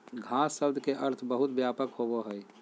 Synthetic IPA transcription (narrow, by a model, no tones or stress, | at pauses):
ɡʱasːəb̚d̪ʱkeʔəɾt̪ʰbəɦut̪̚bjapəkɦoboɦəj